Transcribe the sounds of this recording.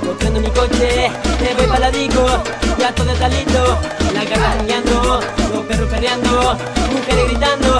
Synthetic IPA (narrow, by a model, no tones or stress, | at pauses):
kot̪ɾɛnd̪omikot͡ʃeneβejpalaðiko | jat̪oðet̪alit̪olakasaruɲjand̪oloperupeɾjand̪o | ukeɾeɣɾit̪and̪o